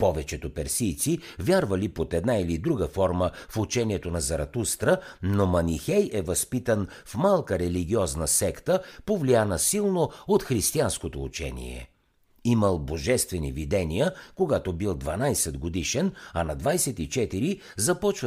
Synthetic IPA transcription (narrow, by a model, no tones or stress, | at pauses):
pɔvɛt͡ʃɛt̪opɛɾsijt̪sivʲjaɾvəlipot̪ɛd̪nailid̪ɾuɡəfɔɾməfut͡ʃɛniɛt̪onɐzɐɾɐt̪ust̪ɾənomɐnixɛjɛvɐspit̪ən | fmalˠkəɾɛliɡʲiɔznəsɛkt̪əpovlijanəsilˠnoot̪xɾist̪ianskot̪oṵt͡ʃɛ̰nḭɛ̰ | iməlˠboʒɛst̪vɛnḭvid̪ɛnijəkoɡat̪obilˠd̪vɐnajsɛd̪ɡod̪iʃɛnɐnɐd̪vajsɛt̪it͡ʃɛt̪iɾi | zɐpɔt͡ʃvə